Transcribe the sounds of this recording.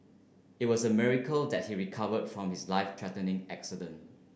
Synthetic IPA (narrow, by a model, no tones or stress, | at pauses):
ɪt̚wɔsəmɪɹikəldɛt̚hiɹikʰavədfɹɔ̃mhɪslaɪftʰɹɛtə̃nɪ̃ŋæksidə̃nt